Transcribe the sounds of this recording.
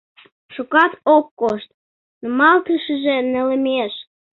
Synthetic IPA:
ʃukɑt̪okːoʃt̪̚ | numɑlt̪əʃəʒĕnə̆lə̆meʃ

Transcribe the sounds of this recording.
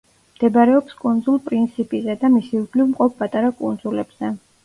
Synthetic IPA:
md̪̥ɛbɾɛɔpskʼund̪zulˠpʼɾint̪sʰipʼizɛd̪amisiukʰlivmqʼɔp̚ʰpʼat̪ʼaɾakʼund̪zulɛbz̥ɛ

